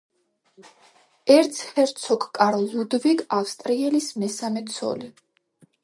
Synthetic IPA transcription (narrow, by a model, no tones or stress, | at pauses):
ɛɾt̪sʰhɛɾt̪sʰɔkʰkʼaɾlud̪viɡafst̪ʼɾiɛlismɛsamɛt̪sʰɔ̰li